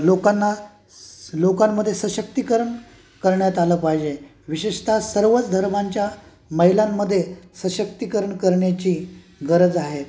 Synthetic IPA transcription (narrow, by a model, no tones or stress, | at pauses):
lokanːa | lokamːəd̪ʱːjesəɕək̚t̪ikəɾəɳ | kəɾɳjat̪aləpaɦjd͡ʑe | ʋiɕeɕt̪ʰasəɾʋət͡sd̪ʱəɾmaɲt͡ɕja | məɦilamːəd̪ʱːjesəɕək̚t̪ikəɾəɳkəɾɳjat͡ɕiː | ɡəɾəd͡zaɦe